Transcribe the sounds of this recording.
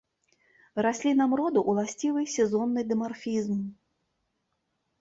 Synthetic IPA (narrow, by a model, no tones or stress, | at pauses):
ɾasʲlʲinamɾɔd̪uʔwlˠasʲt͡sʲivɨjsʲɛzɔnːɨd̪ɨmarfʲizm